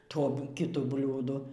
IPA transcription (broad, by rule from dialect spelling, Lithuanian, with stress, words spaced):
ˈtoː kʲɪˈtʊ ˈbʲlʲuːdʊ